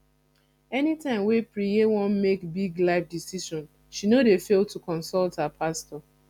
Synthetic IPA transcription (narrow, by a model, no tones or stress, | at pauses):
ɛnitãɪ̃mwepɹijewɔ̃nmekbiɡlaɪfdisiʃɔ̃n | ʃinodefeltukɔ̃nsɔlthapʰastɔ